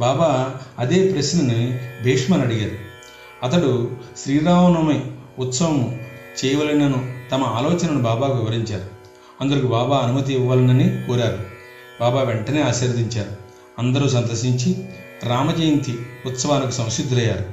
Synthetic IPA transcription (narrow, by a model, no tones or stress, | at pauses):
baːbaːɐd̪e̞ːpɾɐsnɐnibʱeːkʂmaːnɐɽiɡaːɾu | ɐt̪ɐɽuʃɾiːɾaːɦɐnɐmɐjut̪sɐʋɐmut͡ʃɛːjɐʋɐlɐnɐnut̪ɐmɐaːlɔːt͡ʃɐnɐnubaːbaːkʋiʋɐɾiɲt͡ʃaːɾu | ɐnd̪ɐɾikubaːbaːɐnumɐt̪̬iːʋːaːlɐnɐnikoːɾaːɾu | baːbaːʋeɳʈɐneːaːsɐːɾd̪iɲt͡ʃaːɾu | ɐnd̪ɐɾuːsɐnt̪ɐʃiɲt͡ʃi | ɾaːmɐd͡ʒɐjɐnt̪iut̪sɐʋaːnɐkusɐ̃w̃ʃid̪ʱːɾɐjaːɾu